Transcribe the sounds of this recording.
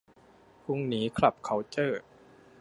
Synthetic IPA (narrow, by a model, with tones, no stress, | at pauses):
pʰu˥˩ŋniː˦˥kʰla˨˩p̚kʰa˦˥wt͡ɕɤː˥˩